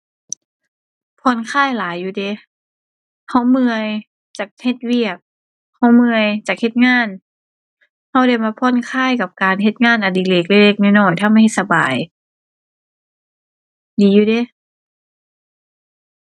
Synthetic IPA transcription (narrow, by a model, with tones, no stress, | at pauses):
pʰɔː˧˥˨nkʰaː˧˥˩jlaː˨˦jːuː˧de˧˦ | ha˧˩wmɯ˧əj | t͡ɕaː˨˩k̚he˧t̪̚wi˧˩ək̚ | ha˧˩wmɯ˧əjt͡ɕaː˨˩k̚he˧˦t̪̚ŋaː˧˥˨n | ha˧˩wda˧˩jmaː˧pʰɔː˧˥˨nkʰaː˧˥˩jka˧˩p̚kaː˨nɦe˧t̪̚ŋaː˧˥˩nʔa˨˩diː˨˩le˧˩k̚le˧k̚le˧˩k̚nɔː˧˩jnɔː˧˩jt̪ʰa˧˨mːa˧˩jhe˧t̪̚sa˧ba̰ː˨˩j | diː˨˦juː˧de˧˦